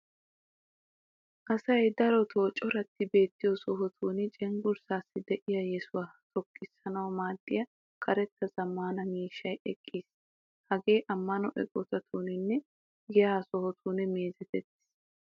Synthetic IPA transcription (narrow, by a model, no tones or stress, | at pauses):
ʔɐsɐjd̪ɐɾɔt̪ʰoːt͡ʃʼːɔɾɐt̪ːɪbe̞ːt̪ːɪjɔsɔɦɔt̪ʰuːnt͡ʃʼɛŋɡʊɾsaːsːɪd̪ɛʔɪjɐjɛsʊwaːt̪ʰɔkʼːɪsːɐnɐwɔmaːd̪ːɪjɐ | kʰɐɾɛt̪ːɐzɐmːaːnɐmiːʃːɐjɛkʼːiːs | hɐɡe̞ːʔɐmːɐnɔʔɛ̰kʼɔt̪ɐt̪ʰuːnɪnːɛ | ɡɛjaːsɔhɔt̪ʰuːnɛmeːzɛt̪ɛt̪ːɪ̥s